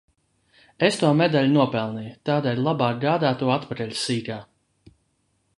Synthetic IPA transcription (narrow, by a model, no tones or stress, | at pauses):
est̪uɔmed̪alʲnuɔpɛlˠnijt̪aːd̪ɛlʲlˠabaːk̚ɡaːd̪aːt̪uɔat̪paɾɛlʲsiːɡaː